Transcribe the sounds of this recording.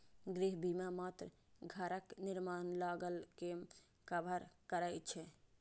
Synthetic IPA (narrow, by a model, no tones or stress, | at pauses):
ɡɾiɦbimamaːt̪ɾə | ɡʱəɾəknɪɾmaːnlaːɡəlke | kəbʱəɾkəɾajt͡ʃʰɛ